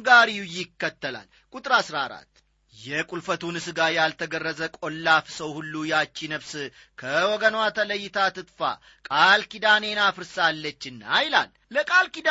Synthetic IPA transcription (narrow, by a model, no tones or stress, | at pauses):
ɡaɾiujɪkːət̪ːəla̰l | kʼut̪ʼɾasɾaɾa̰t̪ː | jɛkʼulfət̪ʰunɨsɨɡajalt̪ʰəɡərːəzəkʼolːafsəwhulːujɛat͡ʃːinəβsɨ | kʰəwɔɡənwat̪ʰələjːɪt̪ʰat̪ʰɨt̪fa̰ | kʼalkid̪ane̞nafɨɾsalːət͡ʃːɨnːajla̰l | ləkʼalkid̪